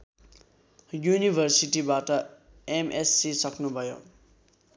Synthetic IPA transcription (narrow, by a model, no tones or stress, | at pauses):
junibʱʌrsiʈibaʈʌ | emʔesːisʌknubʱʌjõ̰